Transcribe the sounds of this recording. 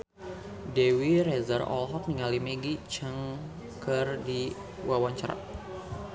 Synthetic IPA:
dewirɛzarɔ̰lɦɔk̚niŋalimeɡit͡ʃəŋ | kərdi | wawaɲt͡ʃaɾa̰t̚

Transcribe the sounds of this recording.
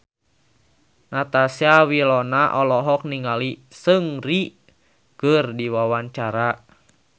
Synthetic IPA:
nat̪asiawilɔnaʔɔlɔɦɔk̚niŋalisəŋri | kərdiwawaɲt͡ʃaɾa

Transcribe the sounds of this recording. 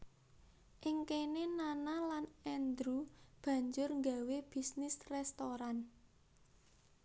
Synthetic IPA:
ʔɪŋkenenanalanɛnd̪ɾub̥ä̤ɲd͡ʒʊrŋɡaweb̥i̤snɪsrɛst̪oɾan

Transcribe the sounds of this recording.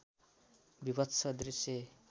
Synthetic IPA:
bibʌtsʰʌd̪rise

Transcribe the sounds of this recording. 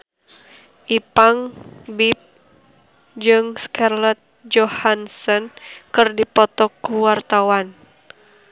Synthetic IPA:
ʔipaŋbip̚ | d͡ʒɨŋskarlɔt̪̚d͡ʒɔhansɔnkɨrdipɔt̪ɔkuwart̪awan

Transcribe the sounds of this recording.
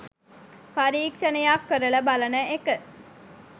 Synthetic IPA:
paɾiːkʂənejakːəɾələbalənəʔekə

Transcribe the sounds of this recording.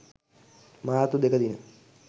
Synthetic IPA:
maːt̪ud̪ekəd̪inə̰

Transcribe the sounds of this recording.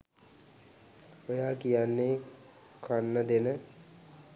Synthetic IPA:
ojaːkijanːe | kʰanːəd̪enə

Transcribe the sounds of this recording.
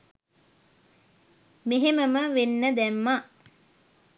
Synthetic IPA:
meɦeməməʋenːəd̪ɛmːa

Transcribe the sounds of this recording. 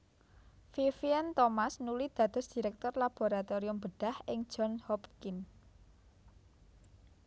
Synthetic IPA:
fifiɛnt̪ɔmasnulid̪̥ä̤d̪̥ʊ̤sd̪̥i̤ɾɛk̚t̪ɔrlab̥o̤ɾat̪oɾiʊmb̥əɖ̥a̤hʔɪŋd̥d͡ʒ̥ɔnhɔpkin

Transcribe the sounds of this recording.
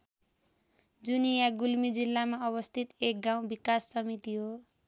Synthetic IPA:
d͡zunijaɡulmid͡zilːamaʌβʌst̪ʰit̪ek̚ɡaw̃bikasːʌmit̪iɦo

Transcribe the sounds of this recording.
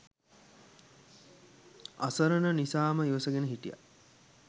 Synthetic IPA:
a̰səɾənənisaːməiʋəsəɡenəɦiʈija̰

